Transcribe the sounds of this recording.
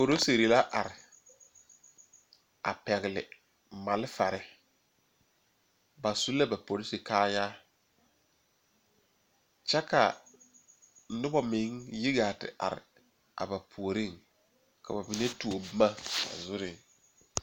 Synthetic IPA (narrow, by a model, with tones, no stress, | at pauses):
po˨ɾo˦se˨ɾi˨la˦ʔa˨ɾɪ˨ | a̰˨pɛ˨ɣɪ˨lɪ̰˨ | ma˨lɪ˦fa˨ɾɪ˦ | ba˨su˦la˦ba˨po˨ɾɪ˦si˨kaː˦ja˦ | t͡ʃɛ˦ka̰˨˦ | nʊ˦ba˦mɪ˨˦ŋjɪ˦ɡa˨tɪ̰˨ʔa̰˨ɾɪ̰˨ | a̰˨ba˨pʰu˨o˨ɾɪ˦˨ŋ | ka̰˨ba˨bi˨ne˦tu˨o˨bma˦ba̰˨zʊ˦ɾɪ˨